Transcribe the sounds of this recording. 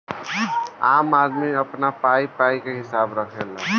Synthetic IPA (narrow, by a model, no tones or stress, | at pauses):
a̰mad̪miəpnapaipaikeɦisabɾəkʰel